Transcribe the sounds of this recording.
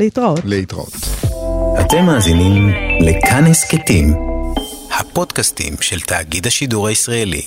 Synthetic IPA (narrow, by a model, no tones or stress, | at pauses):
litʁaoleit̪ʁa̰o̰t̪ | hat̪emːaːzinimlekʰanhesket̪im | hapo̞dkastḭmʃelt̪aːɡidhaʃiduʁaisʁaelḭ